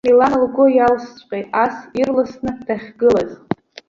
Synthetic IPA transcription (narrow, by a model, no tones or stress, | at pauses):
milanlɡʷʊjalst͡ʃʷʼqʲʼejtʼasirlɨsnɨd̥aχʲɡɨlaz